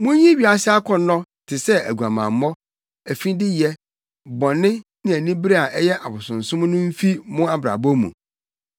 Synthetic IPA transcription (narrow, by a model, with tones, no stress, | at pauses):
mʊ̃˦ɲĩ˦ɥi˨˦a˨sɪ˦a˦kʰɔ˨nːɔ̃˦ | tʰɪ˨sɛ˦æ˨ɡu˨a˨mã̰˨m̩˨mɔ˦ | æ˨fĩ˦dɪ˦jɛ˦ | bɔ̃˨nːɪ̃˦nɪ̃˦æ˨nĩ˦bɾe˦a˨ʔɛ˦jɛ˦ʔa˨bʊ˨sʊ̃˨n̩˨sʊ̃˦m̃˦nʊ̃˦m̩˦fi˦mʊ̃˦a˦bɾa̰˨bɔ˦mṵ̃˨